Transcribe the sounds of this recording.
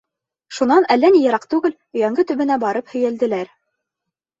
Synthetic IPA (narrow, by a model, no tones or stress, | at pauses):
ʃunɑnælːænijɤ̆ɾɑqt̪ʉɡɘl | ɵ̆jæŋɡɘt̪ɵ̆βɘ̆næbɑɾɤphɵ̆jæld̪ɘ̆læɾ